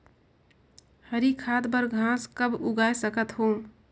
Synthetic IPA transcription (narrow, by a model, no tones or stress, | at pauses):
həɾikʰad̪bəɾɡʱãskəbuɡajsəkət̪ɦo